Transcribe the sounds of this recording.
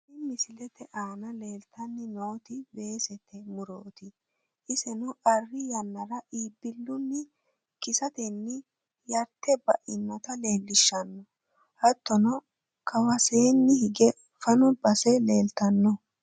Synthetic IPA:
ɪmɪsɪlɛt̪ɛʔaːnɐle̞ːlt̪ʰɐnːɪno̞ːt̪ɪbe̞ːsɛt̪ʰːɛmʊɾoːt̪ɪ | ʔɪsɛnɔʔɐrːɪjɐnːɐɾɐʔiːbːɪlːʊnːɪ | kɪsɐt̪ɛnːɪ | jɐɾt̪ːɛbɐʔɪnːɐt̪ɐle̞ːlːɪʃːɐnːɔ | hɐt̪ːɔnɔ | kɐwɐseːnːɪhɪɡɛ | fɐnɔbɐsɛle̞ːlt̪ɐnːɔ

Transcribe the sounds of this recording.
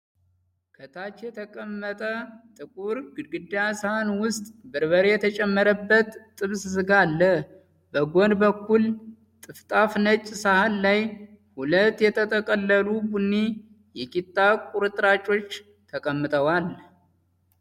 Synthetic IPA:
kʰət̪ʰat͡ʃːjɛt̪ʰəkʼəmːət̪ʼət̪ʼɨkʼuɾɡɨɡɨd̪asahanwʊst̪ʼbɨɾβəɾejɛt̪ʰət͡ʃʼɛmːəɾəbːət̪ːʼɨβssɨɡalːə | bəɡo̞nbəkːul | t̪ʼɨft̪ʼafnət͡ʃʼsahanːaj | hulət̪ːjɛt̪ʰət̪ʼʰəkʼəlːəlubunːi | jɛkʼit̪ʼːakʼuɾɨt̪ʼɾat͡ʃʼo̞t͡ʃː | t̪ʰəkʼəmːɨt̪ʼəwal

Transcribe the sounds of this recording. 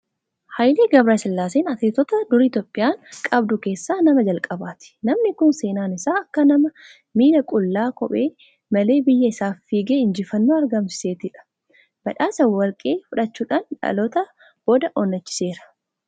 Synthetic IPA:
hɐjleːɡɐbɾaːɪsɪlːaːseːnɐt̪eːt̪ɔt̪ɐd̪ʊɾiːt̪jɔːpʼːɪjaːŋkʼɐbd̪ʊke̞ːsːaːnɐmɐd͡ʒɐlkʼɐbaːt̪ɪ̥nɐmnɪkʊnse̞ːnaːnɪsaːɐkːɐnɐmɐ | miːnɐkʼʊlːaːkɔɓʼe̞ː | mɐle̞ːbɪjːɐɪsaːfːiːɡeːɪnd͡ʒɪfɐnːoːɐɾɡɐmsɪ̥se̞ːt̪ɪᶑɐ̥ | b̥ɐᶑaːsɐwːɐlkʼe̞ːfʊᶑɐt͡ʃːuːᶑaːnᶑɐ̰lɔt̪ɐ | b̥o̞ːd̪ɐʔɔnːɐt͡ʃːɪ̥se̞ːɾɐ̥

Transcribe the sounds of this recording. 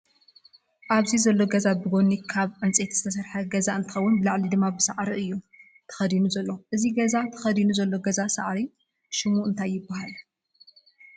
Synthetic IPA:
ʔaβzizɐlːo̞ɡɐzabɨɡo̞nːikʰaβʕɨnt͡sʼet̪zɨt̪ʰɐs̬ɐɾħɐɡɐzaɨnt̪ʰɨxɐwːʊnbɨlaʕlid̪ɨmːabɨsɐʕɾiʔɨjːu | t̪ʰɐ̥xɐd̪inuzɐlːoʔɨziɡɐzat̪ʰɨ̥xɐd̪inuzɐlːo̞ɡɐzasaʕɾi | ʃɪmuʔɨnt̪ʰajːɪbːahal

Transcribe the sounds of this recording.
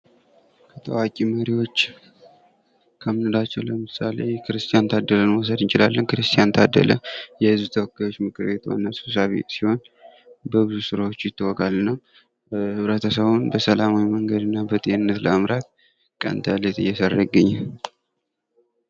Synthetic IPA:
kʰət̪ʼʰə̰wakʼiməɾiwo̞t͡ʃː | kʰəmɨnɨd̪at͡ʃːɛwləmɨsale̞kʰɨɾɨst̪ʰʼijant̪ʰad̪ːələnwɔs̬əd̪ɨnt͡ʃɪlalːənkʰɨɾɨst̪ʰʼijant̪ʰad̪ːə̰ləjɛhɨzbut̪ʰəwɔkːajo̞t͡ʃːmɨkʼʰɨɾbe̞t̪uwa̰nːasu̥s̬aβḛt̪siho̞n | bəβɨzusɨɾawot͡ʃːjɪt̪ʰːɨwɔkʼalːɨnːəw | hɨβɾət̪ʰəsəβunbəsəlamawiməŋɡəd̪ɨnːabət̪ʼienɨnːət̪ləəmɾat̪ | kʼə̰nt̪ʰalət̪ʼɨ̰jɛsərːəɡːəɲːal

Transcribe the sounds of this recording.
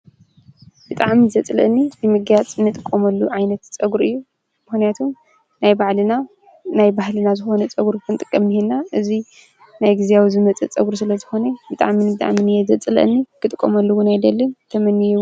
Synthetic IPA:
b̥ɨt̪ʼaʕmizɐt͡sʼlɐ̰nːibɨmɨɡjat͡sʼɨnːɨt̪ʼɨkʼːomɐlːuʕajnɐt̪t͡sʼɐɡuɾɨjːu | mɨxnijat̪ʰum | najbaʕlɨna | najbahlɨnazɨxo̞nɐt͡sʼɐɡuɾkʰɐmt̪ʼɨkʼːɐmːihenːaʔɨzi | najɡɨzejawizɨmɐt͡sʼɐ̰t͡sʼɐɡuɾs̬ɨlɐzɨxo̞nɐbɨt̪ʼa̰ʕminbɨt̪ʼa̰ʕminɨjɛzɐt͡sʼɨlɐ̰ʔnːikʰɨt̪ʼɨkʼːomɐlːɐwunajd̪ɐlːɨnt̪ʰɐmɐnːijɛw

